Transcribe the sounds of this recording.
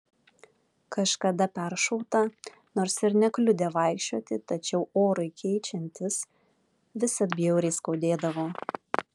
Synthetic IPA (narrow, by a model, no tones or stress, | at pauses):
kɐʃkɐd̪ɐpʲɛɾʃɔʊt̪ɐ | noːɾsɪɾnʲɛklʲʊd̪ʲeːʋɐɪkʃʲt͡ʃʲoːt̪ʲɪt̪ɐt͡ʃʲɛʊoːɾɐɪkʲʰɛɪt͡ʃʲɛnʲt̪ʲɪs | ʋʲɪsɐt̪ʲbʲɪjɛʊɾʲɛɪskɐʊd̪ʲeːd̪ɐʋoː